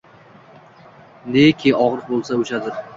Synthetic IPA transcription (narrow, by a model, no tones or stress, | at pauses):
nekʲʰɪɒʁɾɨq̚bolˠsaʊt͡ʃʰad̪ɪɾ